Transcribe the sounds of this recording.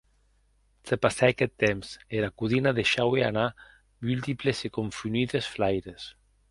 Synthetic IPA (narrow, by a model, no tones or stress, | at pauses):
t̪epasaakɛt̪ːemseɾakuðinaðeʃawea̰na | mylt̪iplesekoɱfyniðesflajɾes